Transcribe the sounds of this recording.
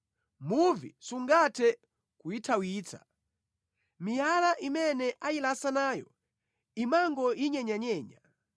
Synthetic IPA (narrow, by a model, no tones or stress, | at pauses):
muvḭsuŋɡatʰɛ | kujitʰawiːt͡sʰa̰ | mijalaʔimɛnɛʔajilasanaːjɔ̰ | imaŋɡɔjiɲɛɲaɲɛːɲa